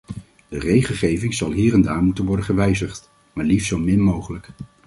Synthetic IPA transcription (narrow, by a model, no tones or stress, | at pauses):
d̥ərejχəlˠχejvɪŋzɑlˠɦiːɾɛndaːɹmutənʋɔɹdəχəʋɛjzəχt | maːɹlifzowmɪnmowχələk